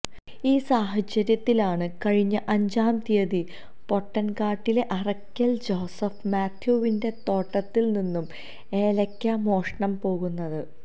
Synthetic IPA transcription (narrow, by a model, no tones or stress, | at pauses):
iːsaːɦɐt͡ɕːɐɾjɐt̪ːilaːɳɨkɐɻiɲːɐʔɐɲd͡ʑaːmt̪ijɐði | po̞ʈːɐnkaːʈːile̞ʔɐrɐkʲːɐld͡ʑo̞ːsɐfmaːt̪ʰjuʋinde̞t̪o̞ːʈːɐt̪ːilninːum | e̞ːlɐkʲːamo̞ːʂɐɳɐmpo̞ːɣunːɐðɨ